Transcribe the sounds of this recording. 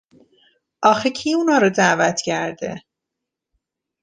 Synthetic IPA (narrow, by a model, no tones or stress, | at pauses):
ʔɒːxecʰiunɒːɾod̪æːvæt̪ʰcʰæɾd̪ḛ